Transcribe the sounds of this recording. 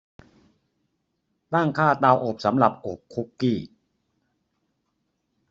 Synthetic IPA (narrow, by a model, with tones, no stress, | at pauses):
t̪a˥˩ŋkʰaː˥˩t̪aː˧wʔoː˨˩p̚sa˩˦mɾa˨˩p̚ʔoː˨˩p̚kʰu˦˥kːiː˥˩